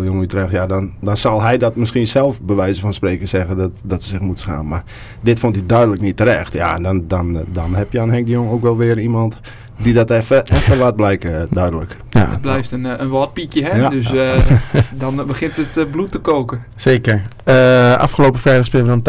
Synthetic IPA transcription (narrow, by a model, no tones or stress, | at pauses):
joŋəytərɛxtjadɔndɔnsɔlˠɦɛjdɔtmɪskiənsɛlˠfbəʋɛjzəfɔnspreːkəsɛɣədɔtdɔtsəsɪxmutə̥sxa̰ːnmar | dɪtfontidœɥdələknitːəɾɛxtja̰dɔndɔndɔnhɛpjəanhɛŋ̚dəjoŋəoːkʋɛlˠʋɪəɾnimɔnt | didɔtɛfəɛffəʋat̚blɛjkdœɥdələk | ət̚blɛjftənənʋɔt̚pikjəɦɛdøs̬ | dɔnbəxɪntətblutəkoːkə | seːkəɹ | əa̰fxəloːpəfɛjɾəspɪlˠəɔn